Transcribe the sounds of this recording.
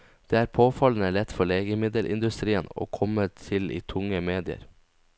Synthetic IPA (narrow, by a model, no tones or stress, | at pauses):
d̪̥eːæːɾpʰoːfɑln̩əlɛt̪fɔɭeːɡəmɪd̪əlʔɪ̰nd̪ʉst̪ɾiːəno̰ːkʰɔmət̪ʰɪlḭːt̪ʰʊŋəmeːd̪ɪə̰ɾ